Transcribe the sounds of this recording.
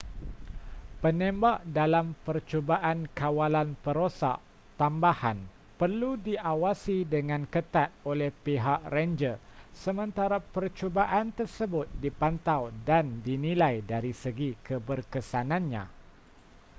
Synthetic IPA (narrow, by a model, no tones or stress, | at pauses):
pənẽmbaʔdalampərt͡ʃobaʔankawalanpəɾosa̰ʔ | t̪ambahan | pərludiʔawasidəŋãnkət̪at̪̚olɛhpiɦaʔrɛnd͡ʒəsəmə̃nt̪aɾapərt͡ʃobaʔant̪ərsəbʊt̪̚dipant̪awdandinilajdaɾisəɡikəbərkəsanãnɲã̰